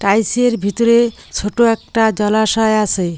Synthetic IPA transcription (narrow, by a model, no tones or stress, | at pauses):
ʈajseɾbʱit̪oɾe | t͡ɕʰoʈoɛk̚ʈad͡ʑɔlaʃɔeasʰe